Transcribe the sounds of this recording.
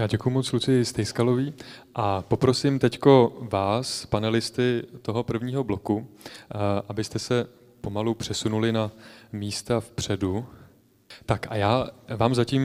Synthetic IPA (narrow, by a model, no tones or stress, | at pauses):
jaːɟɛkujumo̞t͡slut͡sɪjɪst̪ɛjskalo̞viːʔapo̞pɾo̞sɪmt̪ɛcko̞vaːspanɛlɪst̪ɪt̪o̞ɦo̞pr̩vɲiːɦo̞blo̞ku | ʔabɪst̪ɛsɛ | po̞malupr̥ɛsunulɪnamiːst̪afpr̝̥ɛdu | t̪akʔa̰jaːvaːmzaciːm